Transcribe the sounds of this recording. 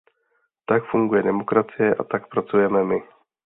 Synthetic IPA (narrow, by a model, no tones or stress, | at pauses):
t̪akfuŋɡujɛdɛmo̞kɾat͡sɪjɛʔa̰t̪akpɾat͡sujɛmɛmɪ